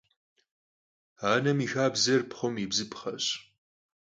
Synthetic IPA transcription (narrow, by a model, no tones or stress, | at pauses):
aːnɐmiːxaːbzɐrpχʷʊmibzɨpχɐɕ